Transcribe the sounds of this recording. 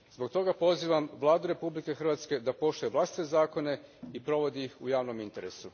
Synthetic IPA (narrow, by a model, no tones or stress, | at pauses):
zbo̞k̚t̪o̞ɡapo̞ziːʋamʋlˠaːd̪uɾe̞publike̞xr̩ʋat̪ske̞d̪apo̞ʃt̪ojeʋlast̪it̪ezaːko̞ne̞ipɾo̞ʋo̞d̪iixujaːʋno̞mint̪e̞ɾe̞̰su